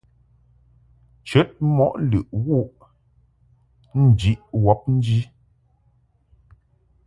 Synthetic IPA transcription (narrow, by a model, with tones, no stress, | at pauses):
t͡ʃə˦t̚mɔ˦˨ʔlʉ̰˨ʔwu˦˨ʔ | n̩˨d͡ʒi˦ʔwɔ˦p̚n̩˦d͡ʒi˦